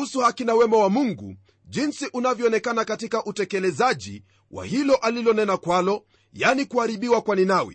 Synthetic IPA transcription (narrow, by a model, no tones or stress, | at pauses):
usuhakinawɛmawamuŋɡṵ | ʄinsiʔunavjɔɔnɛkanakatikaʔutɛkɛlɛzaʄḭ | wa̰hilɔʔalilɔnɛnakwalɔ | janikuhaɾiɓiwakwaninawḭ